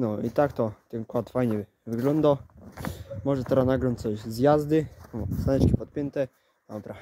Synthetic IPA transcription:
nɔit̪akt̪ɔt̪ɛnkwat̪fajɲɛ | vɘɡlɔnd̪a | mɔʐɛt̪ɛɾanaɡɾɔɲt͡ɕt̪sɔɕzjazd̪ɘsanɛt͡ɕkʲipɔt̪̚pʲjɛnt̪ɛ | apɾa

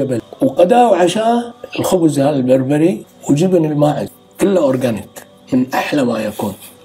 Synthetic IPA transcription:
abalwqad̪aːwʕaʃaːɪlxʊbzhaːlalbɑɾˤbaɾi | wɪd͡ʒɪbnɪlmaːʕɪz | kʊlːaʔoɾˤɡanɪk | mɪnʔaħlamajakuːn

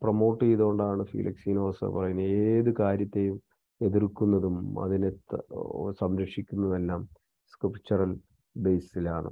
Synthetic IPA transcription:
promo̞ːʈːiiðo̞ːɳɖaːɳɨfḭlʔɐ̰ksiːno̞ːrsɨ̰pɐrɐjunːeːðɨkaːɾjɐt̪ːe̞jum | e̞ðirkːunːɐðumɐ̰ðinet̪ːsɐmɾɐkʂikʲːunːɐðe̞lːaːm | skrɨpt͡ɕːɐrɐl | be̞jsilaːɳɨ̰

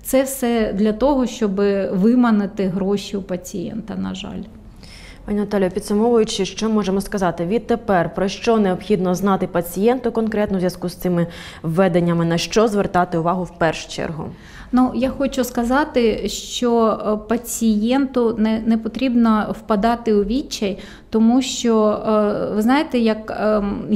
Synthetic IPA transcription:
t̪sɛfsɛd̪lʲɐt̪ɔɦɔʃt͡ʃɔbɪʋɪmɐnɪt̪ɪɦɾɔʃʲiʊpɐt͡sʲijɛ̰nt̪ɐnɐ̰ʒɑ̰lʲ | pɑnʲinɐt̪alʲjɐpʲid̪sʊmɔʋʊjʊt͡ʃɪʃt͡ʃɔmɔʒemɔskɐzɑt̪ɪʋʲid̪̚t̪ːepɛrpɾɔʃt͡ʃɔneɔpxʲid̪nɔznɑt̪ɪpɐt͡sʲijɛnt̪ʊkɔnkɾɛt̪nɔwzʲjɐskust̪sɪmɪ | ʋːɛd̪enʲːɐmɪnɐʃt͡ʃɔzʋert̪ɑt̪ɪʊʋɑɦʊwpɛrʃʊ̥t͡ʃɛ̰rɦʊ̰ | nujaxɔt͡ʃʊskɐzɑt̪ɪʃt͡ʃɔpɐt͡sʲijɛnt̪ʊnɛnɛpɔt̪ɾʲibnɐwpɐd̪ɑt̪ɪʊʋʲit͡ʃːɐj | t̪ɔmuʃt͡ʃɔ | ʋɪznɑjet̪ɛjɐk

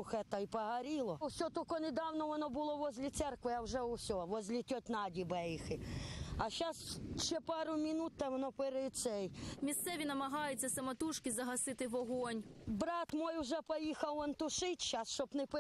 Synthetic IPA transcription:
ʊxɛt̪ɐjpɐɦɐɾʲilˠɔwsʲɔt̪ɔkɔnɪd̪ɑwnɔʋɔnɔbʊlˠɔʋɔzʲlʲit̪sɛrkʋɪɐwʒɛʊwsʲɔʋɔzʲlʲit̪ʲɔt̪ʲnɑdʲibɛjixɪɐʃasʃɛpɑɾʊmʲinut̪ːɐʋɔnɔpeɾɪsɛjmʲist̪sɛʋʲinɐmɐɦɑjʊt͡sʲːɐsɐmɐt̪uʃkɪzɐɦɐsɪt̪ɪʋɔɦɔnʲbɾɑt̪mɔjʊʒɛpɔjixɐwɔnt̪ʊʃɪtʲʃasʃɔbnɪp

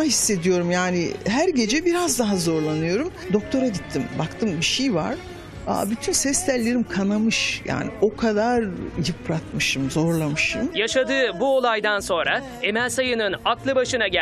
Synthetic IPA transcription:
hisːe̞d̪ijo̞ɾumjaːnḭɦæɾɟe̞d͡ʒɛbiɾazd̪aɦazo̞ɾlˠanɯjo̞ɾumd̪o̞k̚t̪ʰo̞ɾaɟit̪ʰːimbakt̪ʰɯmbiʃejva̰ɾ̥ | a̰byt̪ʰynsɛst̪ʲæɾlʲe̞ɾimkʰanamɯʃja̰ːnḭʔo̞kʰad̪aɾjɯpɾat̪mɯʃɯmzo̞ɾlˠamɯʃɯmjaʃad̪ɯːbuo̞lˠajd̪anso̞nɾa | e̞mælʲsajɯnɯnaklˠɯbaʃɯnaɟæ

